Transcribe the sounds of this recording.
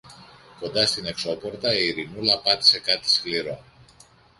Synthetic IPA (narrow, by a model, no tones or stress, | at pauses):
ko̞nd̪ɐst̪ine̞kso̞po̞ɾt̪ɐiiɾinulɐpɐt̪i̥se̞kɐt̪i̥skliɾo̞